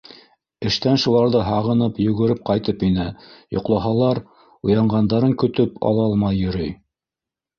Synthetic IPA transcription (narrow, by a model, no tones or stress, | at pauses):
ɘ̆ʃt̪ænʃulˠɑɾðɤɦɑʁɤ̆nɤpjɵ̆ɡɵ̆ɾɘp̚qɑjt̪ɤpinɘjŏ̰qlˠɑɦɑlˠɑɾ | ujɑɴʁɑnd̪ɑɾɤŋkɵ̆t̪ɵpɑ̰lˠɑɑlˠmɑjːɵ̆ɾɵj